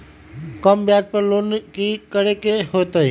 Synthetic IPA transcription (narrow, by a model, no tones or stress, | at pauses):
kəmbjadpəɾloːnkikəɽekeɦot̪əi